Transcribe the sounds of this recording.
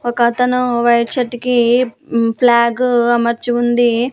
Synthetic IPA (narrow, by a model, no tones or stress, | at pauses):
ɔkɐt̪ɐnuʋɐjʈt͡ʃɐʈːiki | pʰlaːɡɐmɐɾt͡ʃiund̪i